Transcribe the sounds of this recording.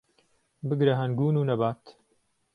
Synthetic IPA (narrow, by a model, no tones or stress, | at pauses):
bɨɡɾɐɦɐnɡuːnuːnɐbaːt̪